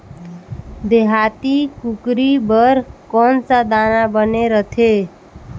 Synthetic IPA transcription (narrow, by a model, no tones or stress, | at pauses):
d̪eɦat̪ikukɾibəɾkɔnsad̪anabəneɾət̪ʰe